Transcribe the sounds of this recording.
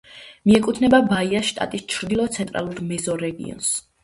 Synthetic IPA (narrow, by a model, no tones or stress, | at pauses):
miɛkʼut̪ʰnɛbabaiaʃt̪ʼa̰t̪ʼist͡ʃʰɾd̪ilˠɔt̪sʰɛnt̪ʼɾa̰lˠuɾmɛzɔɾɛɡḭɔ̰ns